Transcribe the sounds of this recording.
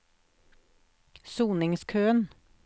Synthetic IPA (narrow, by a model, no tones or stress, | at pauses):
suːnɪŋskʰøːən